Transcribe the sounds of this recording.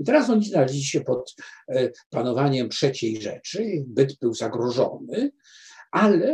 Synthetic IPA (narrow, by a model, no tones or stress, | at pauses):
it̪ɛɾasɔɲiznalɛʑlʲiɕɛpɔt̪ | panɔvaɲɛmtʂɛt͡ɕejʐɛ̰t͡ʂɘbɘd̪bɘwzaɡɾɔʐɔ̰nɘ | ʔalɛ